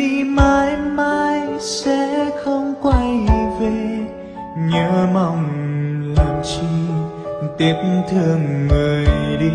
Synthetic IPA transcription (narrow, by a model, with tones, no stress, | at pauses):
i˧˩maː˧jmaː˧jsɛ̰˧˥xə˧wŋ͡mkwa˧jve˨˩ | ɲəː˧˦ma˧˩wŋ͡mlaː˨˩mt͡ɕɨ˧ŋ | t̪i˨˦əp̚mt̪ʰɨ˨˧˩əŋːəː˨˩jɗi˧